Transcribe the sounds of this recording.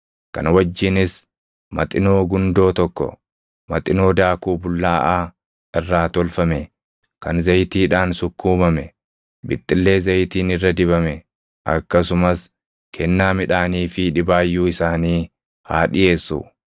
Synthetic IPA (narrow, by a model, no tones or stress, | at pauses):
kɐ̰nwɐd͡ʒːɪnɪs | mɐ̰t̪ʼɪno̞ːɡʊnd̪o̞ːt̪ɔkːɔ̰ | mɐt̪ʼɪno̞ːd̪aːkuːbʊlːaːʔaː | ɪrːaːt̪ɔlfɐmɛ | kɐnzɐjt̪iːᶑaːnsʊkːuːmɐmɛ | bɪ̰t̪ʼːɪlːe̞ːzɐjt̪iːnɪrːɐd̪ɪβɐmɛ | ʔɐ̰kːɐsʊmɐs | kʰɛnːaːmɪᶑaːniːfɪᶑɪbaːjːuːɪsaːniː | ha̰ːᶑɪʔeːsːṵ